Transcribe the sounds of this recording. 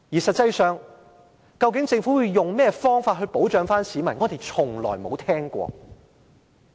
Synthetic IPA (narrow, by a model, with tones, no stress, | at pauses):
jiː˨˩sɐ˨t̚t͡sɐ˧jsœː˨˧ŋ | kɐ˧wk̬ɪ˨˥ŋt͡sɪ˧ŋfuː˨˥wuː˨˧jjʊ˨˩ŋmɛː˥fɔː˥ŋfaː˧t̚ɦɵ˧po˨˥wt͡ʃœː˨˧ŋfaː˥nsiː˨˧mɐ˨˩nŋɔː˧t̪e˨jt͡sʰʊ˨˩ŋlɔ̰ː˨˩jmo˨˧wt̪ʰɛː˥ŋkʷɔ̰ː˧